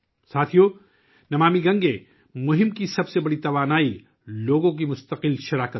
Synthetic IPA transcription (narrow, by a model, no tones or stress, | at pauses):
saːt̪ʰijo | nɐmaːmiɡɐ̃ŋɡẽ | mʊɦɪmkisɐbsebɐɽit̪ɐʋaːnaːi | loːɡõk̬imʊst̪ɐqɪlʃɐɾaːkət̪